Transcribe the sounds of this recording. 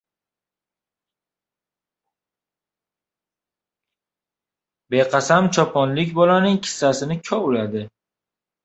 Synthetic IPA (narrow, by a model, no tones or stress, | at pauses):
beqʰɑsamt͡ʃʰɒpʰɒnlɪkʲbɒlanɪŋkʲʰɪ̥sːasɪnɪkʲʰɒʊlad̪ɪ